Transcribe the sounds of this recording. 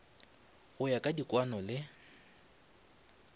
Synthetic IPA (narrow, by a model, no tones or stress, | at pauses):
ɣʊjakʼadikʼwanɔlɪ